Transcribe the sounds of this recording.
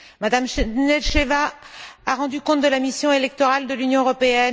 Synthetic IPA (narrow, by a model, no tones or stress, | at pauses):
mad̪amnɛlʃevaaʁɑ̃d̪ykɔ̃t̪̚d̪əlamisjɔ̃elɛk̚t̪ɔʁald̪əlynjɔ̃øʁɔpeɛn